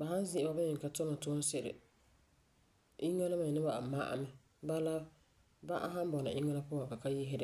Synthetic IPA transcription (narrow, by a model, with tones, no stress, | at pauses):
ba˨ɦa˦n˦zɪ˦ʔɪ˨ba˦bɪ˦ɲɪ˨ka˨tʊ˦na˨tʊ˦sɪ˦˨ɾɪ̰˨ | ʔi˦ŋa˦la˦ma˨ɲ˨nɪ˦ba˨ma˦ʔa̰˦mɛ˦ | ba˦la˦ | ba˦ʔa̰˦ɦa˦n˦bɔ˨nɨ̰˨ʔɪ˦ŋa˦la˦pʊ˦ã˨ŋka˨ka˦jɪ˦ɦɪ˦dɪ˦